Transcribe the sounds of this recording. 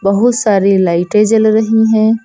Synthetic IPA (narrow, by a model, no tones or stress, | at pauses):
bɐɦʊt̪saːɾilaːɪʈẽd͡ʒɐlɾɐɦiɦɛ̃ː